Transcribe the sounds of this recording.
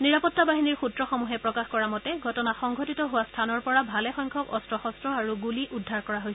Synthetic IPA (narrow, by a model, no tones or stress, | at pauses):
niɹapɔtːabaɦiniɹxutɹɔxɔmuɦɛpɹɔkaxkɔɹamɔtɛɡʱɔtɔnaxɔŋɡʱɔtitɔɦʊwastʰanɔɹpɔɹabʱalɛxɔjŋkʰɔkɔstɹɔxɔstɹɔaɹuɡuliʔudʱːaɹkɔɹaɦojsɛ